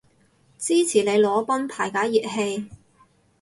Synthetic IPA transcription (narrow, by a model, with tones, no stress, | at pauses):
t͡siː˥t͡sʰiː˨˩le˨˧jlɔː˨˧pɐ˥npʰaː˨˩jkaː˨˥jiː˨t̚he˧j